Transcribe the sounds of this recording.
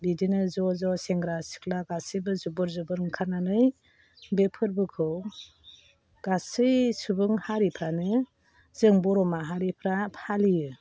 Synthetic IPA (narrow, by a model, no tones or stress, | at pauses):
bidinɯzɔzɔseŋɡɾasi̥klaɡasɯjbɯzubɯɾzɯbɯɾŋkʰananɯj | bepʰɯɾbɯkʰɯw | ɡ̥asɯjsubɯŋhaɾipʰɾanɯ | zɯŋbɔɾɔmaɦaɾipʰɾapʰalijɯ